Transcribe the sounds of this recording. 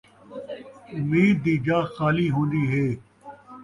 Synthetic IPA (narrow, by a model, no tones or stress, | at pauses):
ʊmiːd̪ːiːd͡ʒaːxaːliːɦõːnd̪iːɦeː